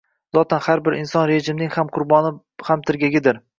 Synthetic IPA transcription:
z̥ɒt̪ʰanhaɾbɪɾʔɪnsɒnɾeʒɪmnɪŋhamqʰʊɾbɒnɪ | hamt̪ʰɪɾɡʲaɡʲɪd̪ɪɾ

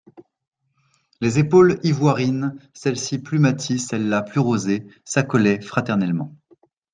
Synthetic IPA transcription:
lezepolivwaʁinsɛlsiplymat̪ʰisɛlːaplyʁozesakɔlɛfχat̪ɛʁnɛlmɑ̃

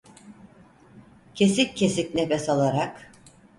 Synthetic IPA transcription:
cʰe̞sicʰːesicnefɛsalˠaɾak

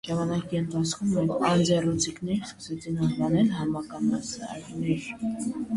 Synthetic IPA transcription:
ʒɑmɑnɑkiənt̪ʰɑt͡sʰkʰumːɛɑnd͡zɛrut͡sʰiknɛɾskə̥sɛt͡sʰinɑnvɑnɛlhɑnmɑkɑnmɑsɑ̰ɾnɛɾ

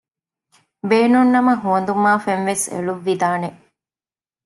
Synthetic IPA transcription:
beːnunːɐmɐɦuɐnd̪umaːfenʋesḛluʋːid̪aːne

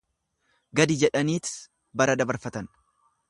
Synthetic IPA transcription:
ɡɐd̪ɪd͡ʒɛᶑɐniːt̪ɪ̥s | bɐɾɐd̪ɐbɐɾfɐt̪ɐn

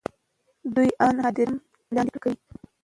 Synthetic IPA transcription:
d̪ujɑnɦɑd̪iɾm | lɑnd̪ɪpəkawi

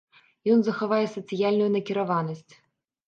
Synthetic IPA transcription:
jɔnzɐxavajɛsɐt̪sɨjalʲnujunɐkʲiɾavanɐsʲt͡sʲ

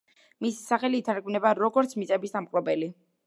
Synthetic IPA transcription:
misi̥saχɛliːt̪ʰaɾkʼvnɛbaɾɔɡɔɾt̪sʰmisʼɛbisd̪amqʼɾɔbɛli

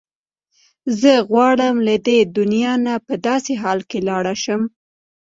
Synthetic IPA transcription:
zəɣwɑɽəmlad̪ed̪ʊnjɑnapəd̪ɑseɦɑlkelɑɽaʃəm

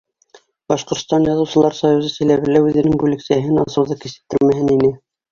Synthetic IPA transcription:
bɑʃqŏɾt̪st̪ɑnjɑðɤ̆wsɤ̆lˠɑɾsɑjuzɤsæ̆læβɘ̆læʉðɘ̆nɘŋbʉlɘ̆ksæɦɘnɑ̰sɤ̆wðɤkisɘ̥̆p̚t̪ːɘɾmæɦɘninɘ

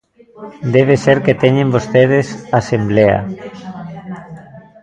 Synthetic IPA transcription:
d̪eβ̞eseɾket̪eɲẽmbost̪eð̞esasemblea̰

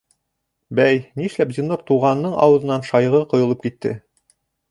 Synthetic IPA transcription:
bæjniʃlæp̚zinːoɾt̪uʁɑnːɤɴɑ̰wɤ̆ðɤ̆nɑnʃɑjʁɤqŏjolˠɤpkit̪ːɘ̰

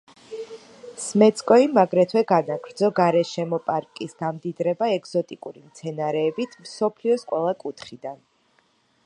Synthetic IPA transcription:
smɛt̪skʼɔimaɡɾɛt̪ʰwɛɡanaɡɾd̪zɔɡaɾɛʃɛmɔpʼaɾkʼisɡamd̪id̪ɾɛbaɛɡz̥ɔt̪ʼikʼuɾimt̪sʰɛnaɾɛːbit̪ʰmsɔpʰliɔskʼwɛlˠakʼut̪ʰχid̪an

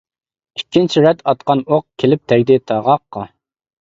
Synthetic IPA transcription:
ikʲʰːint͡ʃʰiɾɛt̪ʰɑt̪̚qɑnoq̚kʲʰelɪp̚t̪ʰɛɡʲd̪ɪt̪ʰɑʁɑqːɑ

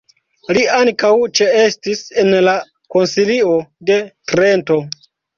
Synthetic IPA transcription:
liaŋkawt͡ʃe̞estise̞nla | ko̞nsilio̞de̞tɾe̞nto̞

